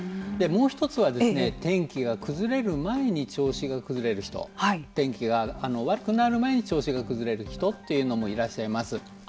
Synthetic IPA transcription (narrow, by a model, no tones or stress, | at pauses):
d̪e̞mo̞ːçi̥t̪o̞t͡sɨβad̪e̞ɨɨne̞t̪ẽ̞ŋkʲiɡakɯ̟zɨɾe̞ɾɯ̟mae̞ɲ̟it͡ɕo̞ːɕiɡakɯ̟zɨɾe̞ɾɯ̟çi̥t̪o̞̰hait̪ẽ̞ŋkʲiɡaːno̞βaɾɯ̟kɯ̟naɾɯ̟mae̞ɲ̟it͡ɕo̞ːɕiɡakɯ̟zɨɾe̞ɾɯ̟çi̥t̪o̞t̪ːe̞jɯ̟no̞mo̞iɾaɕːaimasɨ